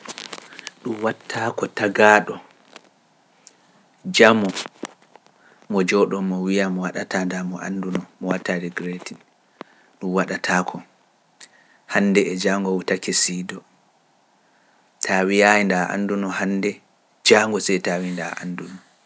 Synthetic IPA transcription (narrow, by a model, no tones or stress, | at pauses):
ɗumwatʰːakɔtaɡaːɗɔ | d͡ʒamɔ | mɔd͡ʒɔɗɔmɔwijamɔwaɗatandamɔʔa̰ndunɔmɔwatːaɾiɡɾeti | ɗumwaɗatʰaːkʰɔ | handɛɛd͡ʒaŋɡɔwutakɛsiːdɔ | tʰawijajindaʔa̰ndunɔhandɛ | d͡ʒaːŋɡɔsɛjtawindaʔa̰ndunɔ